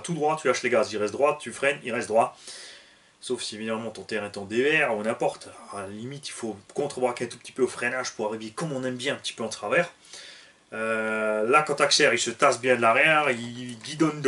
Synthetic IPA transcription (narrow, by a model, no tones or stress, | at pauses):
t̪ud̪ʁwat̪ylaʃleɡazilʁɛst̪̚d̪ʁwat̪yfχɛniʁɛst̪̚d̪ʁwa | sofsievid̪amɑ̃t̪ɔ̃t̪ɛʁɛt̪ɑ̃d̪evɛʁunɛ̃pɔʁt̪ʁalalimit̪ilfokɔ̃t̪χəbʁakʲeɛ̃t̪upt̪i̥pøofχɛnaʒ̥puʁaʁivekɔmɔ̃nɛmbjɛ̃ɛ̃pət̪i̥pøɑ̃t̪χavɛʁ | ølakɑ̃t̪aksɛʁilsət̪asbjɛ̃d̪əlaʁjɛʁiɡid̪ɔnd̪